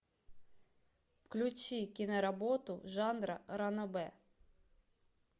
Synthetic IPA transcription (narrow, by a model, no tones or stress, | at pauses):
wklʲut͡ʃikʲinɐɾɐbɔt̪ʊʒɑnɾɐ̰ɾɐnɔbɛ